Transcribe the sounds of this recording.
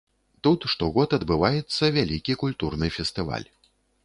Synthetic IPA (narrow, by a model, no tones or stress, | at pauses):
t̪ut̪ʂt̪ɔɣɔt̪ɐd̪bɨvajɛt̪sːɐvʲalʲikʲikulʲt̪urnɨfʲɛst̪ɨva̰lʲ